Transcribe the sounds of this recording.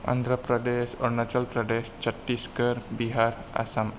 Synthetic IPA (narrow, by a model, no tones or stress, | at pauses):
ʔã̰nd̪ɾapɾadɛsɔrnat͡ʃəlpɾadɛst͡ʃəʈːiskəɾbiɦaɾa̰sam